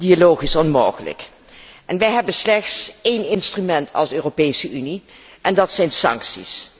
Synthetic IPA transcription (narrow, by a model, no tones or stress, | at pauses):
d̥ialowχisɔnmowχələ̰k | ʔɛnʋɛjɦɛbənslɛχtsejnɪnstrymɛntʰɑ̰lˠsøːropejsəʔyni | ʔɛndɑtsɛjnsɑ̰ŋksḭs